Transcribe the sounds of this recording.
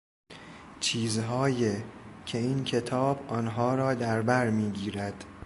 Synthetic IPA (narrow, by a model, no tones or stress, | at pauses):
t͡ʃʰiːzɦɒːjecʰe̞iːncʰe̞t̪ʰɒːbɒːnɦɒːɾɒːd̪æɾbæɾmiːɡiːɾæd̪̥